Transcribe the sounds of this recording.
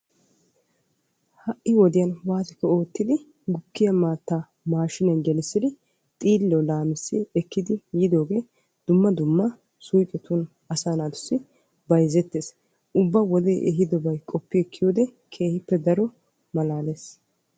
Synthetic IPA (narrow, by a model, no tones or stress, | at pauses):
hɐʔːɪwɔd̪ɪjɐnwaːt̪ɪkːɔoːt̪ːɪd̪ɪ | ɡʊkːɪjɐmaːt̪ːa | maːʃɪnɛnɡɛlɪsːɪd̪ɪ | t̪ʼiːlːɔlaːmɪsːɪɛkːɪd̪ɪjɪd̪o̞ːɡe̞ː | d̪̥ʊmːɐd̪ʊmːɐ | sʊjkʼɛt̪un | ɐsaːnaːd̪ʊsːɪ | bɐjzɛt̪ːeːs | ʔʊbːɐwɔd̪ejʔɛɦɪd̪ɔbɐjkʼɔpːɪɛkʰːɪjoːd̪ɛ | kʰe̞ːhɪpːɛd̪ɐɾɔ | mɐlaːleːs